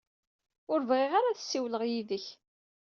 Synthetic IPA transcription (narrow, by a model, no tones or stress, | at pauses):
ʊɾvʁeʁaɾaθə̥sːiwləʁjiðəç